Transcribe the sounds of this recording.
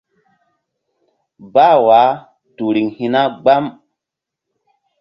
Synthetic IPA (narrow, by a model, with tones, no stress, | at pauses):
baː˦˨wa˨˦ | tu˨ɾi˨ŋhi˨na˦ɡ͡ba˦m